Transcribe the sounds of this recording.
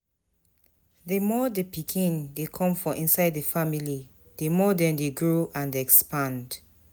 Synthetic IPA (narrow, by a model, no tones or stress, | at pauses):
ðəmɔdepikʰĩndekʰɔ̃mfɔʔĩnsaɪdðəfamili | demɔdɛ̃ndeɡɹoʔãndɛkspãnd